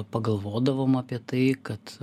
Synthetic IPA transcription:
pɐɡɐlˠʋoːd̪ɐʋoːmɐːpʲiɛt̪ɐɪkɐt̪

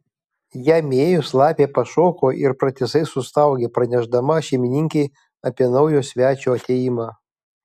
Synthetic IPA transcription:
jæmʲeːjʊslˠɑːpʲeːpɐʃoːkoːʔɪɾpɾɐt̪ʲɪsɐɪsʊst̪ɐʊɡʲeːpɾɐnʲɛʒd̪ɐmɐʃʲɛɪmʲɪnʲɪŋʲkʲɛɪ | ɐpʲiɛnɐʊjoːsʲʋʲæːt͡ʃʲoɐt̪ʲeːjimɑː

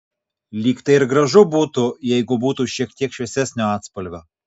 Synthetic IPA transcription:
lʲiːkt̪ɐɪɪɾɡɾɐʒʊbuːt̪ujɛɪɡʊbuːt̪uːʃʲiɛkt̪ʲiɛkʃʲʋʲɛsʲæsʲnʲoːɑːt̪spɐlʲʋʲoː

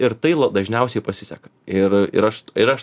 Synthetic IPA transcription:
ɪɾt̪ɐɪlˠɐd̪ɐʒʲnʲɛʊsʲɛɪpɐsʲɪsʲɛkɐ̥ɪrɪ̰ɾɐʃɪɾɐʃ

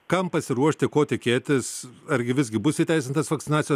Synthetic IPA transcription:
kɐmpɐsʲɪɾuɔʃʲt̪ʲɪkoːt̪ʲɪkʲeːt̪ʲɪsɐɾʲɡʲɪʋʲɪzʲɡʲɪbʊsiːt̪ʲɛɪsʲɪnt̪ɐsʋɐkt̪sʲɪnɑːt̪ʲɪjoː

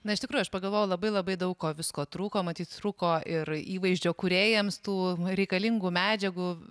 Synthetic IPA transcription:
nɐɪʃt̪ʲɪkɾuːjʊɐʃpɐɡɐlˠʋoːjɛʊlˠɐbɐɪlˠɐbɐɪd̪ɐʊkkoːʋʲɪskoːt̪ɾuːkoːmɐt̪ʲiːt̪t̪ɾuːkoːʔɪɾiːʋɐɪʒʲd͡ʒʲoːkuɾʲeːjɛmst̪uːɾʲɛɪkɐlʲɪŋɡumʲæːd͡ʒʲɛɡuː

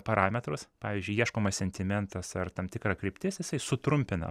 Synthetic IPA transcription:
pɐɾɑːmʲɛt̪ɾʊspɑːʋʲiːzʲd͡ʒʲʊɪiɛʃkoːmɐssʲɛnʲt̪ʲɪmʲɛnt̪ɐsɐrt̪ɐmt̪ʲɪkɾɐkɾʲɪpʲt̪ʲɪsjɪsɐɪsʊt̪ɾʊmʲpʲɪnɐ̰

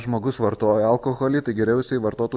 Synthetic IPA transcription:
ʒmoːɡʊsʋɐɾt̪oːjɛɐlˠkoːxoːlʲiːt̪ɐɪɡʲɛɾʲɛˑʊsʲɛɪʋɐɾt̪oːt̪u

